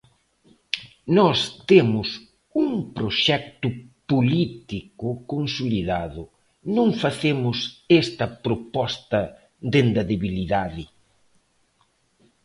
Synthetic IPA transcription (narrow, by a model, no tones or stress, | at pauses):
nɔst̪emʊs | uŋpɾoʃɛkt̪ʊpolit̪ikʊkonsoliðaðʊ | nõŋfaθemʊsest̪ɐpɾopɔst̪ɐ | d̪end̪ɐðeβiliðaðɪ